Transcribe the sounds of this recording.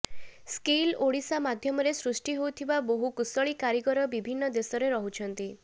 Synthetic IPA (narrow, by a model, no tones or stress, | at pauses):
skiloɽisamad̪ʱjɔmɔɾesɾusʈiɦowt̪ʰibaboɦukusɔɭikaɾikɔɾɔbibʱinːɔd̪esɔɾeɾɔɦut͡ʃʰɔnt̪i